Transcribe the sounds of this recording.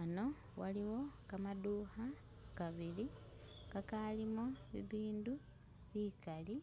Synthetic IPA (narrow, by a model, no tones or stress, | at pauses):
ano̞ | waliwo̞kamaduːha | kaβili | kakalimo̞βḭβiːndu | βikali